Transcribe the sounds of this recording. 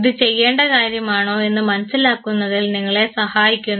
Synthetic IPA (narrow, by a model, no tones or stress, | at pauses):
ðɨt͡ɕe̞jːe̞ːɳɖɐkaːɾjɐmaːɳo̞ːe̞nːɨmɐnɐsilaːkːunːɐðɨlniŋːɐɭe̞sɐhaːjikʲːunː